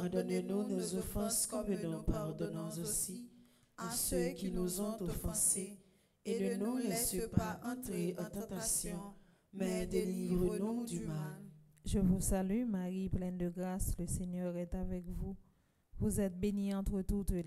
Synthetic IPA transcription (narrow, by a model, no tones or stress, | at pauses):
paʁd̪ɔnenɔ̃nozɔfɑ̃skɔmənɔ̃paʁd̪ɔnɑ̃zosi | asøkʲinuzɔ̃t̪ofɑ̃se | enənuʁɛst̪əpaʔɑ̃t̪ʁeʔɑ̃t̪ɑ̃t̪asjɔ̃ | mɛd̪elivʁənɔ̃d̪ymal | ʒəvusalymaʁiplɛ̃nd̪əɡʁasləseɲœʁɛt̪avɛkvu | vuzɛt̪̚beniɑ̃t̪χət̪ut̪l